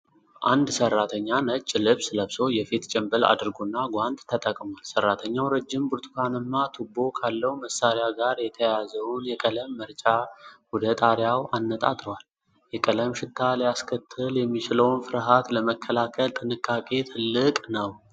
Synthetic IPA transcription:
ʔand̪sərːat̪ʰəɲːanət͡ʃʼːlɨβsləβso̞jɛfit̪t͡ʃʼɛmbəla̰d̪ɨɾɡonːaɡʷand̪t̪ʰːət̪ʼəkʼmalsərːat̪ʰəɲːawɾəd͡ʒːɪmbuɾt̪ʰʼkʰanɨmːat̪ʰubo̞kʰalːəhuməsːaɾeaɡaɾjɛt̪ʰəjazəwnjɛkʼələmːəɾt͡ʃʼawɔd̪ət̪ʼaɾjawanːət̪ʼa̰t̪ʼəwal | jɛkʼələmʃɪt̪ʰːalijaskʰət̪ʰːɨljɛmːit͡ʃɪləwnfɨɾɦat̪ləməkʰːəlakʰəlt̪ʼɨnɨkʼːakʼe̞t̪ʰɨlːɨkʼnəw

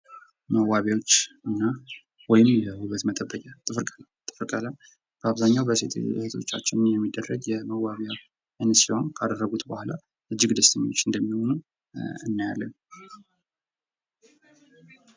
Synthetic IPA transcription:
məwaβjawo̞t͡ʃː | ɨnːa | wɔjɪmbəhuβət̪mət̪ʼəbːəkʼat̪ʼɨfɨɾkʼəl | t̪ʼɨfɨɾkʼəla | b̥əaβzaɲːawbəsḛt̪set̪ʰo̞t͡ʃːa̰t͡ʃːɪnnjɛmːid̪ːərːəɡjɛməwaβjaw | ʔɨnsiho̞nkʰad̪ərːəɡut̪bəhʷula | ʔɨd͡ʒːɪɡd̪əst̪ʰəɲːo̞t͡ʃːɨnd̪əmːiho̞nu | ɨnːaja̰lːə̰n

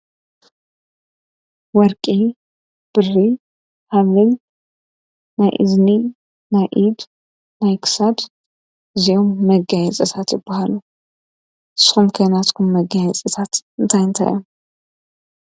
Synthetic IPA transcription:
wɔɾkʼi | b̥ɨrːi | haβɨn | najʔɨ̰zni | najʔid̪ | najkʰɨ̥sab | ɨzijo̞mːɐɡajɛt͡sʼɐt̪ʰat̪jɪbːahalu | ʔɨsːɨ̥xumkʰojnat̪kʰumːɐɡajɛt͡sʼɐt̪ʰat̪ɨnt̪ʰajɨnt̪ʰa̰jʔom

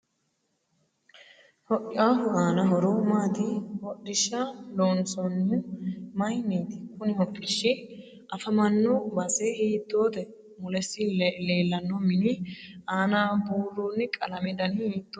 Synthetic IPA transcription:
hɔʔɪʔaːhʊaːnɐɦɔɾoːmaːd̪ɪhɔɗːɪʃaloːnsɔnːɪmɐjniːd̪ɪkʊnɪhɔkʼːɪʃːɪ | ʔɐfɐmɐnːɔbɐsɛhiːd̪ːo̞ːd̪ɛ | mʊlɛsːɪleːlːɐnːɔmɪnɪʔaːnaːbuːrːuːnːɪkʼɐlɐmɛd̪ɐnhiːt̪ː

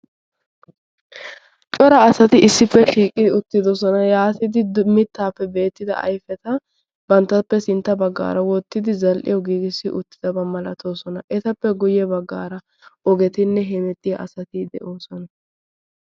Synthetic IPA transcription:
t͡ʃʼɔɾɐːsɐt̪ɪɪsːɪpːɛʃiːkʼɪd̪ɪʊt̪ːɪd̪ɔsɔnɐjaːt̪ɪd̪ɪdmɪt̪ːaːpːɛbe̞ːt̪ːɪd̪ɐ̰ʔɐ̰jfɛt̪ɐ | bɐnt̪ːɐpːɛsɪnt̪ːɐbɐɡːa̰ːɾɐwɔt̪ːɪd̪ɪzɐlʔɪ̰jɔɡiːɡɪsːɪʔʊt̪ːɪd̪ɐbɐmɐlɐt̪ʰoːsɔnɐʔɛt̪ɐpːɛɡʊjɛbɐɡːa̰ːɾɐ | ʔɔɡɛt̪ɪnːɛɦɛnɛt̪ʼːɪjɐʔɐsɐt̪ɪd̪ɛ̰ʔoːsɔnɐ

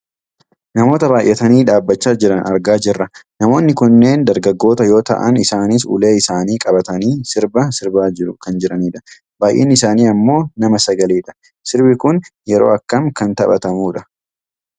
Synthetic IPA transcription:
nɐmo̞ːt̪ɐbaːjʔɛt̪ɐniːᶑaːbːɐt͡ʃːaːd͡ʒɪɾɐnɐɾɡaːd͡ʒɪrːɐnɐmo̞ːnːɪkʊnːe̞ːnd̪ɐɾɡɐɡːo̞ːt̪ɐjo̞ːt̪ɐ̰ʔɐ̰nɪsaːnis̬ʊ̰leːɪsaːniːkʼɐbɐt̪ɐniːsɪɾbɐsɪɾbaːd͡ʒɪɾʊkɐnd͡ʒɪɾɐniːᶑɐ̥ | baːjʔḛːnːɪsaːniːɐmːo̞ːnɐmɐsɐɡɐliːᶑɐ̥ | sɪɾbɪkʊnjɛɾo̞̰ːɐkːɐmkɐnt̪ɐbɐ̰t̪ɐmuːᶑɐ̥

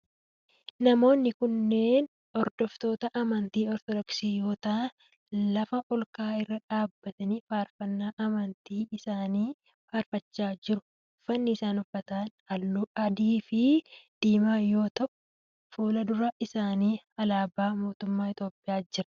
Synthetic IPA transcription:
nɐmo̞ːnːɪkʊnːe̞ːn | ɔɾd̪̥ɔft̪oːt̪ɐʔɐmɐnt̪iːɔɾt̪ɔd̪ɔksiːjo̞ːt̪a | lɐfɐʔɔlkaːɪrːɐᶑaːbːɐt̪ɐnifaːɾfɐnːaːʔɐmɐnt̪iːɪsaːniː | faːɾfɐt͡ʃːaːd͡ʒɪɾʊ̥ | fɐnːɪɪsaːnʊfːɐt̪an | ɐlɐd̪iːfɪd̪̥iːmaːjo̞ːt̪ɐʔʊ̥ | foːlɐd̪ʊɾɐʔɪsaːniːɐlaːbaːmo̞ːt̪ʊmːaːɪt̪o̞ːpːɪjaːd͡ʒɪɾɐ̥

